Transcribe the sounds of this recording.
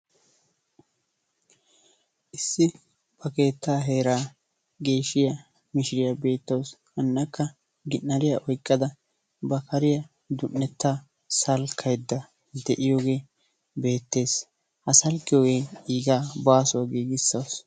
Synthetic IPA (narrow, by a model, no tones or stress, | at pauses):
ʔɪsːɪ | b̥ɐke̞ːt̪ːaːɦe̞ːɾaː | ɡe̞ːʃɪjɐ | mɪʃɪɾɪjɐbe̞ːt̪ːɐwshɐnːɐkːɐ | ɡɪnːɐɾɪjɐʔɔjkʼːɐd̪ɐ | bɐkɐɾɪjɐ | d̪ʊnːɛt̪ːaː | sɐlkʰɐjd̪ːɐ | d̪ɛʔɪjoːɡe̞ː | be̞ːt̪ːe̞ːs | hɐsɐlkːɪjoːɡeːiːɡaːbaːsʊwaɡiːɡɪsːɐws